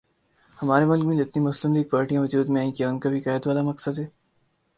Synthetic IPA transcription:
hɐmaːɾemʊlkmẽd͡ʒɪt̪nimʊslɪmliːɡ̚paːɾʈijãʋɐd͡ʒuːd̪mẽaːĩkijaːnkabʱikaːɪd̪ʋaːlamɐksəd̪ɦɛː

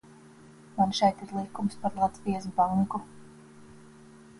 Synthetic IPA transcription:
manʃɛjt̪iɾlˠikumspaɾlˠad̪sviɛzbaŋku

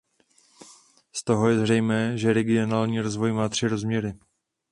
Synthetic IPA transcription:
st̪o̞ɦo̞jɛzrɛjmɛːʒɛɾɛɡɪo̞naːlɲiːɾozvo̞jmaːt̪r̥ɪɾo̞zmɲɛɾɪ

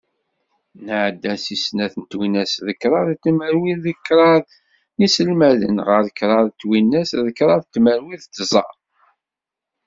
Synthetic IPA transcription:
nəʕd̪ːæsisnæθənt̪winæsðəkɾˤɑðt̪ːməɾwiððəkːɾˤɑðˤ | nisəlmæðə̰nʁəɾˤəkɾˤɑðˤt̪ːwinːæsðəkɾˤɑðt̪ːməɾwiðt̪ːzˤɑ

